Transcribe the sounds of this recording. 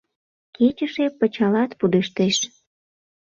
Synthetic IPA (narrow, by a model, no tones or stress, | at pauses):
ket͡ɕəʃepət͡ɕɑlɑt̪pud̪eʃt̪eʃ